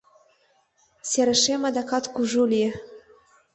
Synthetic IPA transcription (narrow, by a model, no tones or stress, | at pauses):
sʲeɾɘ̆ʃemɑd̪ɑkɑt̪kuʒulʲie